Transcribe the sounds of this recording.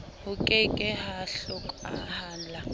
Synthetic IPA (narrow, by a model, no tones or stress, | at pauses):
hʊkʼɛkʼɛhaɬʊkʼa̰haːnd͡ɮa